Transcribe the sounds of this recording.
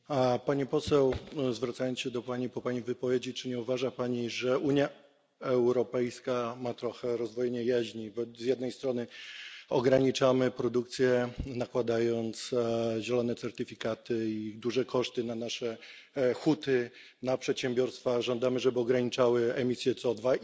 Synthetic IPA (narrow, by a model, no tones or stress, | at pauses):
paɲipɔsɛwzvɾat̪sajɔnɕɛd̪ɔpaɲipɔpaɲivɘpɔvjed͡ʑit͡ʂɘɲɛuvaʐapaɲiʐɛʔuɲja | ɛwɾɔpɛjskamat̪ɾɔxɛɾɔzd̪vɔjɛɲɛjaʑɲibɔzʲjɛd̪nɛjst̪ɾɔnɘɔɡɾaɲit͡ʂamɘpɾɔd̪ukt̪sʲjɛnakwad̪ajɔnt̪sʑɛlɔnɛt̪sɛɾt̪ɘfʲikat̪ɘid̪uʐɛkʰɔʂt̪ɘnanaʂɛ | xut̪ɘ | napʂɛt̪ɕɛmbʲjɔɾst̪faʐɔnd̪amɘʐɛbɘɔɡɾaɲit͡ʂawɘɛmʲisʲjɛt̪sɔd̪va